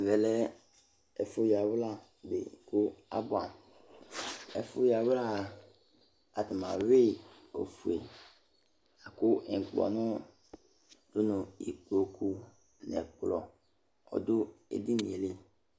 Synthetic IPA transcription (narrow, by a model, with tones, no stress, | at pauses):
vɛ˨lɛ˦ | ɛ˨fʊ˦ja˨wla˦˨ | bḛ˨kʊ˦a̰˦bʊ˨ã˨m | ɛ˨fʊ˦ja˨wla˦˨ | a˨tɪ˨mã˨ɾe˦ | o̰˨fu˨ḛ˨ | a˨kʊ˦ɛ˨ŋ˨k͡plɔ̰˨nʊ̃˦ | dʊ˦nʊ̃˨ḭ˨k͡plo˨kʰu˦ | nɛ̰˨k͡plɔ˨ | ɔ̰˨dʊ˦ḛ˨di˦nḭ̃˨e˨le˦